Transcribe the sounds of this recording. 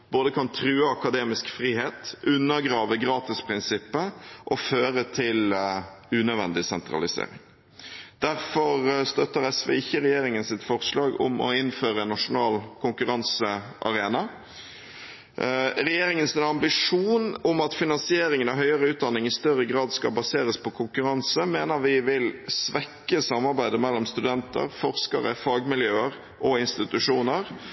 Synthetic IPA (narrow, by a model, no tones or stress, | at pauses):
b̥oːd̪əkʰɑnt̪ʰɾʉːəɑkɑd̪eːmɪskfɾiːɦeːt̪ʉnːəɡɾɑːʋəɡɾɑːt̪ɪspʰɾɪnsɪpːəʔɔføːɾət̪ʰɪl | ʉːnœʋɛ̰nd̪ɪsɛnt̪ɾɑ̰lɪsḛːɾɪ̰ŋ | d̪̥æɾfɔɾst̪œt̪ːəɾɛsʋḛːɪçːəɾɛjeːɾɪŋənsɪt̪fɔɾslɑːɡɔ̰mɔ̰ɪnføːɾəɛnːɑʂʊnɑːlkʰʊŋkʉɾɑnsəʔɑ̰ɾeːnɑ | ɾɛjeːɾɪŋənsɛnɑmbɪʂuːnɔmɑt̪fɪnɑnsɪeːɾɪŋənɑɦœʏəɾəʉːt̪̚d̪ɑnːɪŋɪst̪œɾəɡʁɑːd̪skɑbɑseːɾəspʰɔkʰʊŋkʉɾɑnsəmeːnəɾʋɪʋɪlsʋɛkːəsɑmɑɾbæɪd̪əmɛlːɔmst̪ʉd̪ɛnt̪ə̰ɾfɔɾskɑ̰ɾəfɑːɡmɪljøːəɾ | ʔɔɪnst̪ɪt̪ʉʂuːnəɾ